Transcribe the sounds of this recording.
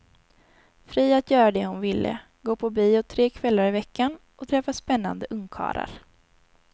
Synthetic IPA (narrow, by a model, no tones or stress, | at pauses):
fɾiːat̪jœːɾad̪ɛhʊnvɪlːʔə̰ | ɡoːpʰɔbiːɔt̪ʰːɾeːkʰvɛlːaɾɪvɛkːan | ʔɔt̪ʰɾɛfːaspɛnːa̰nd̪əʔɵŋkʰɑ̰ːɾa̰ɾ